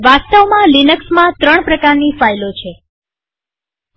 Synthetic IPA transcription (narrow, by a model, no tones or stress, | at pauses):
ʋast̪əʋmãlinəksmãt̪ɾəɳ̃pɾəkaɾnifajlot͡ʃʰe